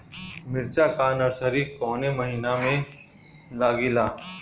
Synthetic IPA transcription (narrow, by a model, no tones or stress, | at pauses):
mɪɾt͡ʃakaːnəɾsəɾikɔːneməɦiːnamẽ | laːɡilaː